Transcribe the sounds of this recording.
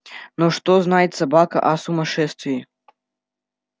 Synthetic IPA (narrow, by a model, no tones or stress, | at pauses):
nɔʂt̪ɔznajɛt̪ʲsabakɐ̰ʔɐsumɐʂɛst̪vʲiː